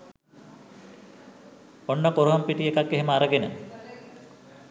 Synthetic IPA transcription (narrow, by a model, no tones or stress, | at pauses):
onːəkoɾoɦompiʈiekakːeɦeməaɾəɡenə